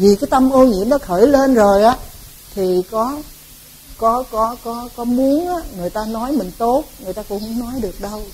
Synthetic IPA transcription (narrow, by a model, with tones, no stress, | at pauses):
vi˨˩kaː˨˦jt̪ə˧mʔo˧ɲḭ˧˩˥əmɗɔ˨˦xəː˧˩jle˧nzo˨˩jʔaː˨˦ | t̪ʰi˨˩kɔ˨˦ | kɔ˨˦kɔ˨˦kɔ˨˦kɔ˨˦mu˨˦ənʔaː˨˦ŋɨ˨˩əjt̪aː˧nɔ˨˦jmï˨˩ŋ̟t̪o˦˥t̚ŋɨ˨˩əjt̪aː˧kʊ̰˧˥ŋ͡mʊ̰˧˥ŋ͡mnɔ˨˦jɗɨ˨˩ək̚ɗə˧w